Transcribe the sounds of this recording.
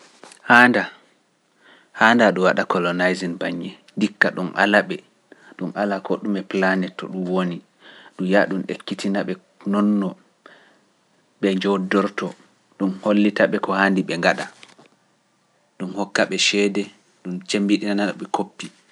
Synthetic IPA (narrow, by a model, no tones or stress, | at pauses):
haːnda | haːndaɗɔwaɗakɔlɔnajzinbaɲːɛ | dikːaɗumʔa̰laɓɛ | ɗumʔalakɔɗumɛplanɛtːɔ̰ɗumwoni | ɗujaɗumɗekːitinaɓɛ | nɔnːɔ | ɓɛd͡ʒɔdɔɾtɔ | ɗunholːitaɓɛkɔhandiɓɛŋɡaɗa | ɗumhɔkːaɓɛʃɛːdɛ | ɗumt͡ʃembiɗinanaɗɔɓɛkʰopːi